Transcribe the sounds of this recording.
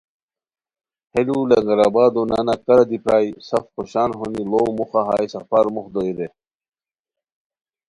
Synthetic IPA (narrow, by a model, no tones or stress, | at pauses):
helulɐŋɡɐɾabaːd̪onanakɐɾɐd̪ipɾaːjsɐfxoɕaːnɦonilowmuxaɦa̰ːjsɐfaːɾmuxd̪oiɾe